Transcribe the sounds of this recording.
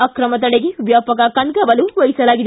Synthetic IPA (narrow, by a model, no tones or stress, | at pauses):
ɐkɾɐmɐt̪̬ɐɽeɡeʋjaːpɐkakɐnkɐbɐluʋɐjsɐlaːɡid̪